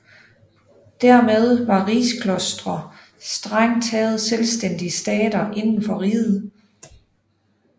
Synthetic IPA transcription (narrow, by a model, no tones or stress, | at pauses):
d̥æɐmeð̞ˠʋɑ̈ʁiːskʰlɔsd̥ʁɐ | sd̥ʁaŋt͡sʰɛːð̞̩ˠselsd̥en̰d̥iəsd̥ɛːd̥ɐʔe̝nn̩fɒ̽ʁiːð̩ˠ